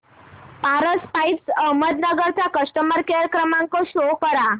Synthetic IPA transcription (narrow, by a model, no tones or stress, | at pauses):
paɾəspaisəɦməd̪nəɡəɾt͡ɕakəsʈəməɾkeɾkɾəmãŋkoɕokəɾa